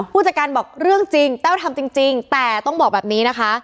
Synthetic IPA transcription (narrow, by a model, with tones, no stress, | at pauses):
pʰuː˥˩t͡ɕa˨˩kaː˧nbɔː˨˩k̚ɾɯ˥˩əŋt͡ɕi˧ŋt͡ɕ̪ɛː˥˩wt̪ʰa˧mt͡ɕi˧ŋt͡ɕi˧ŋt̪ɛː˨˩t̪ɔ˥˩ŋbɔː˨˩k̚bɛː˨˩p̚niː˦˥na˦˥kʰa˦˥ʔ